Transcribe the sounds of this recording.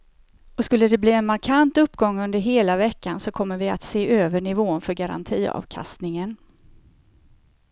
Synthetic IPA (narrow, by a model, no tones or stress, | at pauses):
ɔskɵlːəd̪ɛbliːɛnmaɾkʰant̪ɵpːɡɔŋːɵnd̪əɾɦeːlavɛkːansɔkʰɔmːəɾvɪa̰t̪seːʔøːvəɳɪvoːnfœɾɡaɾa̰nt̪ʰiːɑ̰ːvkʰa̰st̪nɪŋən